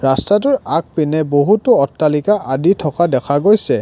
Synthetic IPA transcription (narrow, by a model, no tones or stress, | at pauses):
ɹastat̬ʊɹak̚pinɛboɦutʊɔtːalikaʔaditʰɔkadɛkʰaɡojsɛ